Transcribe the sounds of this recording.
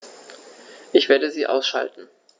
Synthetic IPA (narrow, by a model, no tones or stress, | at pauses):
ʔɪçv̥eːɐdəziːʔa̰ʊsʃa̰ltn̩